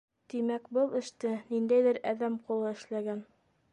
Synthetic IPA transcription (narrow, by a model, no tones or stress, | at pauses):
t̪imækbɤlˠɘ̆ʃt̪ɘnind̪æjðɘɾæðæmqulˠɤɘ̆ʃlæɡæn